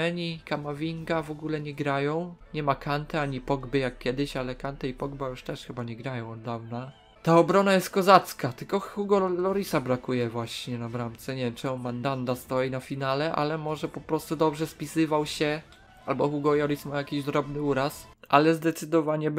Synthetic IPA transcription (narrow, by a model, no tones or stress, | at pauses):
ɛɲikamavʲiŋɡavɔɡulɛɲɛɡɾajɔ̃w̃ɲɛmakʰant̪ɛaɲipɔɡbɘjakːʲjɛd̪ɘɕalɛkant̪ɛipɔɡbajuʂt̪ɛʂxɘbaɲɛɡɾajɔ̃w̃ɔd̪d̪avna | t̪aɔbɾɔnajɛst̪̚kɔzat̪skat̪ɘlkɔxuɡɔlɔɾisabɾakujɛvwaɕɲɛnabɾamt̪sɛɲɛvʲjɛmt͡ʂɛɡɔmand̪and̪ast̪ɔjinafʲinalɛʔa̰lɛmɔʐɛpɔpɾɔst̪ud̪ɔbʐɛspʲisɘvawɕɛ | albɔxuɡɔjɔɾismajakʲiʑd̪ɾɔbnɘuɾas | ʔa̰lɛzd̪ɛt̪sɘd̪ɔvaɲɛ